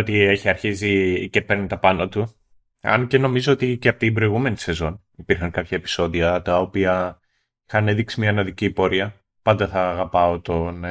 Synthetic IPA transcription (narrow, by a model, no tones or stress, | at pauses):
ot̪ie̞çiɐɾçizicepe̞ɾnet̪ɐpɐnot̪u | ɐ̰nce̞no̞mizo̞ot̪iceɐpot̪ibɾo̞iɣume̞nise̞zo̞n | ipiɾxɐŋkɐpçɐepi̥so̞ðiɐt̪ɐopiɐ | ixɐne̞ðiksimɲɐnɐðiciːpo̞ɾiɐ | pɐnd̪ɐθɐːɣɐpɐot̪o̞n